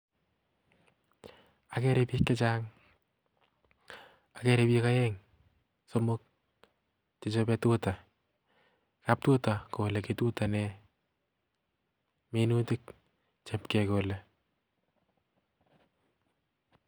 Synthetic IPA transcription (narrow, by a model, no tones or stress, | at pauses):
akɛɾepikːet͡ʃaŋ | akɛɾepikaɛŋ | somʊk̚ | t͡ʃet͡ʃopɛtuta | kap̚tutakoleketutanɛ | menutɪk | t͡ʃepkɛkole